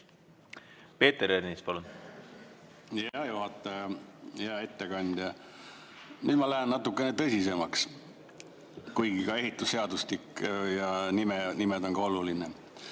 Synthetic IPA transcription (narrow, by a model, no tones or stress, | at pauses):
pe̞ːt̪eɾeɾnispɑlun | jɑjuɦɑt̪ːˑɑjɑjɑe̞t̪ːekɑnʲd̪̥jɑ | nyːd̪mɑlæɦennːɑt̪ːˑukːˑe̞net̪ɤ̞sʲise̞mɑks | kujɡ̥ikɑe̞ɦit̪ːˑusːe̞ɑd̪uslikːjɑnimenimed̪o̞ŋɡɑo̞luline